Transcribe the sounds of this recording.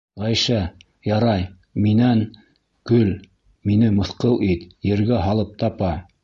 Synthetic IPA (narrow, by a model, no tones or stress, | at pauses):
ʁæjʃæ | jɑɾɑj | minæn | kɵl | minɘmɤ̆θqɤlˠʔit̪jɘ̆ɾɡæɦɑlˠɤp̚t̪ɑpɑ